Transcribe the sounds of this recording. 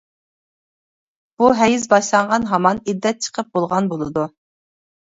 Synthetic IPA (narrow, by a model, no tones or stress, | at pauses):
b̥uɦɛjizbɑʃlˠɑɴʁɑnɦɑmɑnid̪ːɛt̪̚t͡ʃʰə̥qʰəp̚bolˠʁɑnbolˠɨd̪u